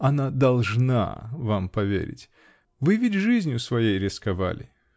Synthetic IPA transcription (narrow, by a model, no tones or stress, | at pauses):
ɐnad̪ɐlˠʐna̰vampɐvʲḛɾʲɪ̰tʲ | vɨvʲɪtʲʐɨzʲnʲjʊsvɐjejɾʲɪskɐva̰lʲɪ̰